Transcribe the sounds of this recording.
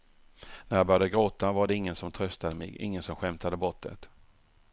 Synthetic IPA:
næɾjɑbœɾjad̪əɡɾoːt̪avaɖɛɪŋːənsɔmt̪ʰɾœst̪ad̪əmɛ̰ɡɪ̰ŋːənsɔmɧɛmt̪ʰad̪əbɔt̪ʰːə̰t̪

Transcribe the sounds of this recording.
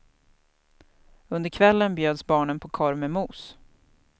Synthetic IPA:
ɵnd̪əɾkʰvɛlːənbjøːd̪sbɑːɳənpʰɔkʰɔɾmɛmuːs

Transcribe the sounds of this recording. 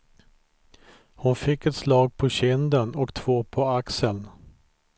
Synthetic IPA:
hʊnfɪkːɛt̪slɑːɡ̚pʰɔɕɪnd̪ənɔkt̪ʰv̥oːpʰɔaksəln

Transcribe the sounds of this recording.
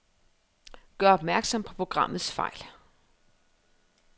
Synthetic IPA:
ɡ̥ɶːɐɒ̽b̥mæɐɡ̥sɒ̽m̰pʰɒ̥̽pʰʁo̝ɡ̥ʁɑ̈m̰ð̩ˠsfɑ̈ɪ̰l

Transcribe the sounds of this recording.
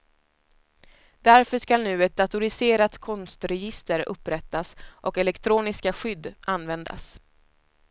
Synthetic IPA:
d̪æɾfœʂkalnʉ̟ːɛt̪̚d̪at̪ʊɾɪseːɾat̪kʰɔnst̪ɾɛjɪst̪əɾɵ̰pːɾɛt̪ːasʔɔkɛlɛkt̪ʰɾuːnɪskaɧʏd̪ːʔanːvɛnd̪a̰s

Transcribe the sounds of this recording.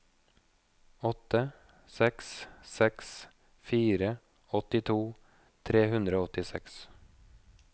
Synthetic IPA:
ɔt̪ə | sɛkssɛks | fiːɾə | ɔt̪ɪt̪ʰuː | t̪ʰɾeːhʉnd̪ɾəoːɔt̪ɪsɛks

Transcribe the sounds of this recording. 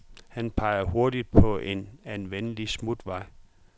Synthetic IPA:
hænpʰɑ̈ɪ̰ɐho̝ɐ̰d̥id̥̚pʰɒ̽ʔe̝nænʋenəlismud̥ʋɑ̈ɪ̰

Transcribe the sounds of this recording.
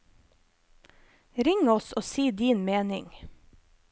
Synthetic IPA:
ɾɪŋɔsoːsiːd̪iːnmeːnɪŋ

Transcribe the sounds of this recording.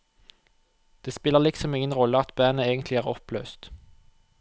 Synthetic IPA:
d̪̥eːspɪləʁlɪksɔmɪŋənʁɔlːəɑt̪bæːnəeːɡənt̪ʰlɪæːʁɔpʰlø̰ːst̪

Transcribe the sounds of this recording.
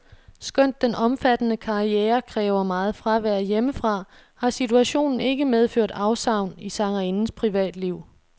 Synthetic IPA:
sɡ̥œn̰d̥ːenʔɒ̽mfæd̥ənəkʰɑ̈iɛːɐkʰʁɛːʊɐmɑ̈ːð̩ˠfʁɑʋæɐ̰jeməfʁɑ̈ | hɑ̈sit͡sʰuæɕo̝̰ːnn̩e̝ɡ̥əmeð̞ˠføɐ̰d̥ɑ̈ʊsɑ̈ʊ̰nisɑ̈ŋʁinn̩spʰʁiʋɛ̰ːd̥liʊ̰

